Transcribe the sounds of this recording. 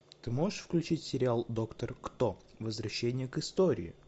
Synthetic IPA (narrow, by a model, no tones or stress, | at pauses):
t̪ɨmo̞ʐɨʂfklʲʉt͡ɕitʲsʲɪɾʲɪalˠd̪o̞kt̪ərkt̪ovəzvɾɐɕːenʲɪjəkɨst̪oɾʲɪ̰ɪ̰